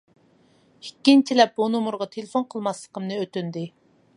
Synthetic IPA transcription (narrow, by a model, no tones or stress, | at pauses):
hikʲːint͡ʃʰilɛp̚bunomuɾʁɑt̪ʰelefonqʰəlˠmɑslˠəqəmnɨøt̪ynd̪ɪ